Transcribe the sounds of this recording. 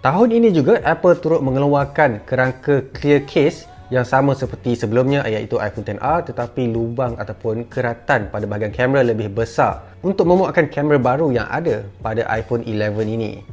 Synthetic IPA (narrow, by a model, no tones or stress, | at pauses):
t̪aɦʊninĩd͡ʒuɡaʔɛpəlt̪uɾʊt̪̚mə̃ŋəluakankəɾaŋkəkliəkʰes | jaŋsamãsəpərt̪isəbəlʊmɲãʔajaʔit̪uʔa̰jfɔnt̪ɛnʔart̪ət̪apilubaŋat̪awpʊnkəɾat̪anpadabaɦaɡiankɛməɾaləbɪhbəsa̰r | unt̪ʊk̚mə̃muaʔkankɛməɾabaɾuja̰ŋʔa̰dapadaʔa̰jfɔnʔilɛvəninḭ̃